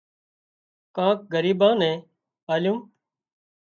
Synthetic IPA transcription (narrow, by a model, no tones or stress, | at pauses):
kãːk̚ɡəɾiːbãːnɛ̃ː | aːljũː